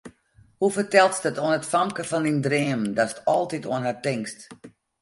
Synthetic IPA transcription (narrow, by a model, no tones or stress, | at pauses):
hufərtɛlˠtsdətoənətfamkəfɔnindrɪːəmədasətʰɔlˠtitoənhatɪŋkst